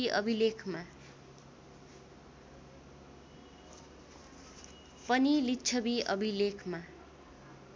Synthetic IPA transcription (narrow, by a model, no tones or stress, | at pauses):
iʔʌ̰bʱilekʰma | pʌnilitːt͡sʰʌbiʌbʱilekʰma